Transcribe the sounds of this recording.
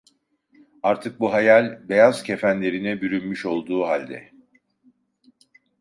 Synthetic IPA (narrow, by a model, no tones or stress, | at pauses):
aɾt̪ʰɯk̚buɦajalʲbe̞jaz̥cʰe̞fænlʲe̞ɾinɛbyɾynmyʃo̞lˠd̪uːɦalʲd̪ɛ̰